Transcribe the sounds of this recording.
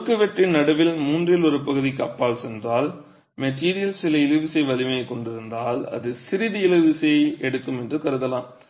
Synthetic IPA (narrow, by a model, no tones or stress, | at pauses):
kːɯʋɛʈrɪnnɐɽɐʋɪlmuːndrɪlɔɾɯpɐɣɯðikɐpːaːlsɛndraːl | mɛʈːiːɾɪjɐlsɪlɐɪlɯʋɪsɐɪʋɐlɪmɐjkːɔɳɖɪɾɯnd̪aːlɐ̰ðɯsɪɾɪðiɪlɯʋɪsɐɛɽɯkːɯmɛndrɯkɐɾɯðɐlaːm